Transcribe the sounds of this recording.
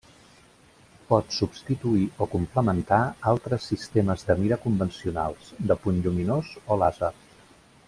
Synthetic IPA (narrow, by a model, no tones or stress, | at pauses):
pɔt̪subst̪it̪uiokumpləmənt̪aalˠt̪ɾəsːist̪eməzðəmiɾəkumbənsiuna̰lˠsd̪əpunʎuminozolazə